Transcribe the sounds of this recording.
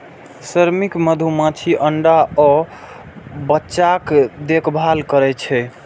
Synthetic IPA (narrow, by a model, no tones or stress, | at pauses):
səɾmikməd̪ʱumãt͡ʃʰiʔəɳɖaɔ | bətːt͡ʃakd̪ekʰbʱalkəɾɛt͡ʃʰɛ